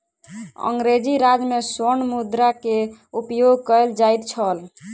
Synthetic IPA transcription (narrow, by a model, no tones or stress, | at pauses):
ə̰ŋɡɾed͡ʒiɾad͡ʒmesonmud̪ɾakeupjoɡkəjld͡ʒajt̪t͡ʃʰəl